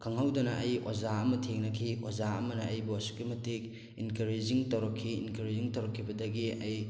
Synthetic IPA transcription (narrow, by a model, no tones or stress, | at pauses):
kʰaŋhawdɐnɐʔɐjozaɐmɐtʰeŋnɐkʰio̰zaɐmɐnɐːjbuɐsu̥kːimɐtik̚ | inkɐɾed͡ʒiŋtɐwɾɐkʰːiinkɐɾeziŋtɐwɾɐkʰːibɐdɐɡiɐj